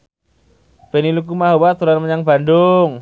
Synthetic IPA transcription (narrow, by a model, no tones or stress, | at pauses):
b̥eniluk̬umaɦowat̪uɾanməɲaŋba̤ndʊŋ